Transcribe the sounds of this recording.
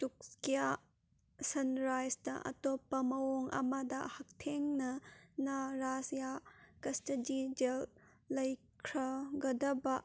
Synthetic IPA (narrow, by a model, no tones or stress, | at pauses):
tuk̚skija | sɐnɾajsdɐʔɐ̰topːɐmɐoŋɐ̰mɐdɐhɐk̚tʰeŋnɐnɐɾasjakɐstɐd͡ʒid͡ʒelː | ɐj | kʰɾɐɡɐdɐbɐʔ